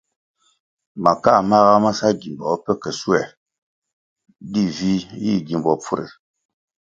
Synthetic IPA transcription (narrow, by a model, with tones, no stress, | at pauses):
ma˨ka˦˨ma˦ɣa˦ma˦sa˦ɡi˨mbɔ˨˦pə˦kə˨su˦ɛ˨ | di˦vi˦ji˦˨ɡi˨mbɔ˨p͡fu˦ɾḛ˨